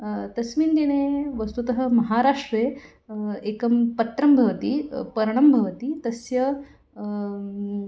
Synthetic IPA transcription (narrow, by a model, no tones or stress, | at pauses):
t̪ɐsmind̪iɽ̃eʋɐst̪ut̪ɐɦɐmɐɦaːɾaʂʈɾe | ekɐmpɐt̪ɾɐmbʱɐʋɐt̪ipɐɾɳ̃ɐmbʱɐʋɐt̪iːt̪ɐsjɐ